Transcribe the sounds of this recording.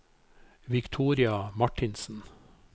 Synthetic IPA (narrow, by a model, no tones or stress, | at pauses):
ʋɪkt̪ʰuːɾɪɑmɑʈɪnsn̩